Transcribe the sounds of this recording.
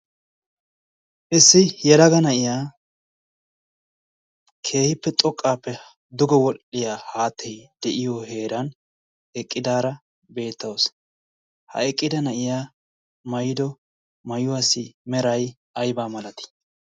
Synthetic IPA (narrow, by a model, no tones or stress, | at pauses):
ʔɪsːɪjɛlɐɡɐnɐʔɪjaː | kʰe̞ːhɪpːɛt̪ʼɔkʼːaːpːɛ | d̪ʊɡɔwɔlɪjaːhaːt̪ʰːɛjd̪̥ɛʔɪjɔhe̞ːɾɐn | ɛkʼːɪd̪aːɾɐ | be̞ːt̪ːɐws | hɐ̰ɛkʼːɪd̪ɐnɐʔɪjaː | mɐjd̪ɔ | mɐjʊwaːsɪmɛɾɐj | ʔɐjbaːmɐlɐt̪ɪ̥